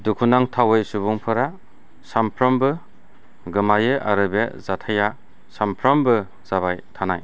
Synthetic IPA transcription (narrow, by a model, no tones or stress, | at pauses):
dukʰunaŋtʰawejsuβuŋpʰɯɾa | sampʰɾɔmbɯ | ɡɯmajɯʔa̰ɾɯbezatʰaja | sampʰɾɔmbɯ | z̥aβajtʰanaj